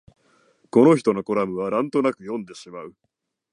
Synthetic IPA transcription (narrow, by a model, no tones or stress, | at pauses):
ko̞no̞çi̥t̪o̞no̞ko̞ɾamɯ̟β̞anãnt̪o̞nakɯ̟jõ̞nd̪e̞ɕimaɯ̟